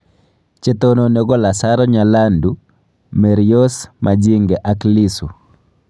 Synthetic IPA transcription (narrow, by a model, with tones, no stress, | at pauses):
t͡ʃe˦t̪ononeɡɔ˦la˨saɾɔɲa˨la˦ndu | mɛɾijo˦smʔad͡ʒi˦ŋɡɛʔa˨kli˦su˨